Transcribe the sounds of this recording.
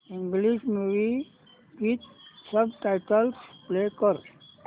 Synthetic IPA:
ĩŋɡliʃmuʋi | ʋit̪sʌbʈaɪʈəlspleːkɔɾ

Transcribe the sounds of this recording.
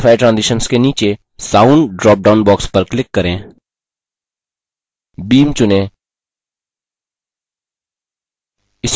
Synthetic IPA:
fʰɛːʈɾãːnzɪʃənskeniːt͡ʃe | saːʊɳɖɖɾɔːp̚ɖaːʊnbɔːkspəɾklɪkːɐɾẽː | biːmt͡ʃʊnẽː | ɪs

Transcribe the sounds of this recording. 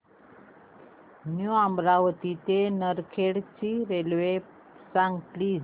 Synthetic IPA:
njuãmbɾaʋət̪it̪enəɾkʰeɽt͡ɕiɾelʋe | sãŋɡʈ̪li

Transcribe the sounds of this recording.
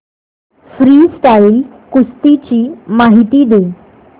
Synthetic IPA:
fɾiːsʈail | kust̪it͡ɕiːmaɦit̪iːd̪e

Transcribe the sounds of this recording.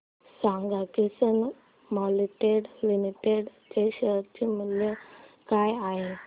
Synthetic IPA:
sãŋɡakisən | mɔliʈeɽlimiʈeɖt͡ɕeɕəɾt͡ɕemət̪ljekajaɦe

